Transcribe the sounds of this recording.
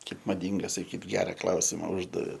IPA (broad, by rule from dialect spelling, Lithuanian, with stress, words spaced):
ˈkɐɪp mɐˈdʲiːŋɡɐ sɐˈkʲiːt ˈɡʲæːrɐ ˈklˠɐʊsʲɪmɐ ˈʊʒdɐʋʲeː